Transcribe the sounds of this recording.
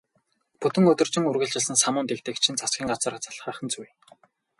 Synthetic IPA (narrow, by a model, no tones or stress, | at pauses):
pɵt̪ɘ̆ŋɵt̪ɵ̆r̥t͡ɕɪ̆ŋurɣɘ̆ɮt͡ɕɪ̆ɮsɘ̆nsamʊːnt̪ekt̪ɘ̆ːkt͡ɕʰĭnt͡sʰasɡʲiːŋɢat͡sə̆rat͡sʰḁɮχəːχə̆nt͡suj